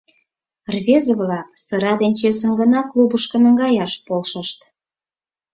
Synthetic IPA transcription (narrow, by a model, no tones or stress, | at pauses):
rβʲezə̆βlɑk̚sə̆ɾɑd̪enʲt͡ɕesə̆mɡə̆nɑklubəʃkə̆nə̆ŋɡɑjɑʃpolʃəʃt̪